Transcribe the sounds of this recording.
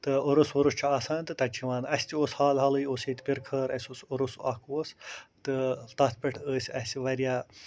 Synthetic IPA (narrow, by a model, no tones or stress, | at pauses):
t̪ɨoɾusuɾust͡ʃʰuaːsaːnt̪ɨt̪ɐt͡ʃʰiʋaːnɐsʲt̪ioːshaːlɦɐlɨjoːseːt̪ʲpʲiɾkʰəːɾɐsʲosoɾusɐkʰoːst̪ɨt̪ɐt̪̚ʰpʲɐʈʰəːsʲɐsiʋɐɾijaː